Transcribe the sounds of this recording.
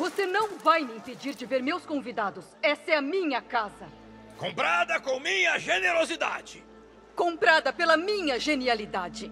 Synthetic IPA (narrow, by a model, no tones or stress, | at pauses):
vosenɐ̃w̃vajmɪĩped͡ʒiɾd͡ʒɪveɾmewskõvid̪ad̪ʊsɛsɐɛɐmĩɲɐkazɐ | kõpɾad̪ɐkõmĩɲɐʒeneɾozid̪a̰d͡ʒɪ | kõpɾad̪ɐpelɐmĩɲɐʒenialid̪ad͡ʒɪ